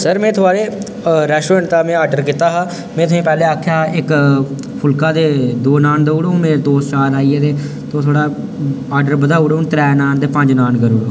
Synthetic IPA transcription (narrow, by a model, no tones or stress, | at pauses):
səɾmɛ̃ːt̪ʰʊaːɾeː | ɾɛːsʈoɛ̃ːɳʈt̪aːmɛ̃ːaːɖəɾkiːt̪aːɦãː | mɛ̃ːt̪ʊsĩːpɛːleːaːkʰjaːɪk | pʰʊlkaːd̪eːd̪oːnaːnd̪eːuːɽoːmẽːed̪oːst͡ʃaːɾaːiːeːt̪eː | t̪õːt̪ʰoːɽaːaːɖəɾbəd̪aːuːɽont̪ɾɛːnaːnd̪eːpə̃ɲd͡ʒnaːnɡəɾuːɽoː